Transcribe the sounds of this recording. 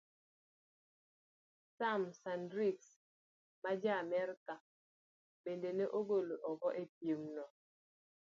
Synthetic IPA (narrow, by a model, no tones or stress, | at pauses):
samsandɾiks | mad͡ʒamɛɾka | bendeneʔoɡoloʔɔɡɔʔep̚jemnɔ